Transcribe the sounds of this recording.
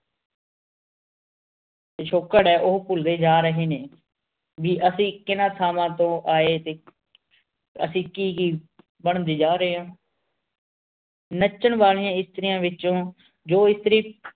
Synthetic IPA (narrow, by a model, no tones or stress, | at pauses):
teʃʰoːkːəɽɛːʔʊɦpʊld̪eːd͡ʒaːɾəɦeːneː | ʋiːʔəsĩːkɪnãːt̪ʰaːmãːt̪õːʔaːeːt̪eː | ə̰sĩːkiːɡiː | bəɳ̃d̪iːd͡ʒaːɾəɦeːɦãː | nət͡ʃːəɳʋaːlijãːɪst̪əɾɪjãːʋɪt͡ʃõː | d͡ʒoːɪst̪əɾiː